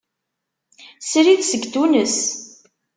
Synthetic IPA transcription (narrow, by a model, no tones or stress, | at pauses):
sɾiðsəɡt̪unəs